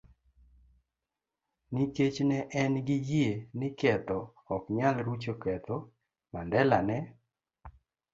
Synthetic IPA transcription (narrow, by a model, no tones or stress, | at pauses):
niket͡ʃnɛʔɛnɡɪjenɪkɛt̪ɔː | kɲalɾut͡ʃokɛt̪ɔ | mandɛlanɛ